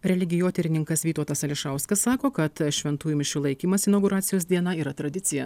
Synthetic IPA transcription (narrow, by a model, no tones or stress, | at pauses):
ɾʲɛlʲɪɡʲɪjoːt̪ʲɛɾʲɪnʲɪŋkɐsʋʲiːt̪oːt̪ɐsɐlʲɪʃɑʊskɐsːɑːkoːkɐt̪ʃʲʋʲɛnt̪uːjʊmɪʃʲɪlˠɐɪkʲiːmɐsɪnɐʊɡʊɾɑːt̪sʲɪjoːsd̪ʲiɛnɐiːɾɐt̪ɾɐd̪ʲɪsʲɪjɛ